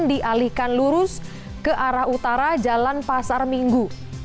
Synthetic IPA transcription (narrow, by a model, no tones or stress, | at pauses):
ndiʔalihkanluɾʊs | kəʔaɾahut̪aɾad͡ʒalanpasarmiŋɡu